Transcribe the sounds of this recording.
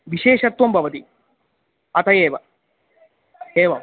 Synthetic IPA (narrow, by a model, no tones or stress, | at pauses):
ʋiʃeːʃɐt̪ʋɐmbʱɐʋɐt̪i | ɐt̪ɐjeːʋɐ | eːʋɐm